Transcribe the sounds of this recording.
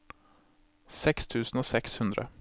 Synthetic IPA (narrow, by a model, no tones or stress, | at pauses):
sɛkst̪ʰʉːsn̩oːsɛkshʉnd̪ɾə̰